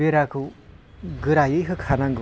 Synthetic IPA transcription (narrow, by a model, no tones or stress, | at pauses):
eɾakʰɯ | ɡɯɾajɯjɦɯkʰanaŋɡɯ